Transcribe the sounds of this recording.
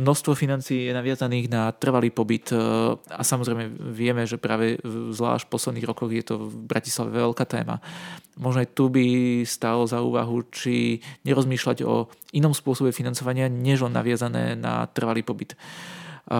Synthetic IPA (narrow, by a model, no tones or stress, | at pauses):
mnɔst̪ʋɔfinant͡siːjɛnaʋɪazaniːɣnat̪r̩ʋaliːpɔbit̪a̰samɔzɾɛɪmɛʋɪɛmɛʒɛpɾaːʋɛzla̰ːʃpɔslɛd̪niːɣɾɔkɔɣjɛt̪ɔvbɾaci̥slaʋɛ̰ʋɛlkaːt̪ɛ̰ːma̰mɔʒnaɪt̪ubist̪alɔzaṵːʋa̰ɦut͡ʃiɲɛɾɔzmiːʃlaɟɔ̰inɔmspʊɔsɔbɛfinant͡sɔʋaɲɪaɲɛʒɔna̰ʋɪazanɛ̰ːna̰t̪r̩ʋaliːpɔbit̪